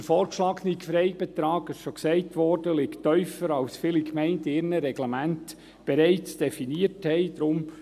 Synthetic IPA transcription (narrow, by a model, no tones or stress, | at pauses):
əfɔːɾkʃlɑːɡnikfɾɛɪbɛt̪ɾɑːɡɪsʃɔksɛɪtʋɔɾd̥əlɪktœʏfəɾɑwsfɪːlikmɛɪntɪːɾnəɾɛɡlamænt | b̥ɛɾɛɪt͡sd̥ɛfiniəɾthɛɪd̥̪ɾʊm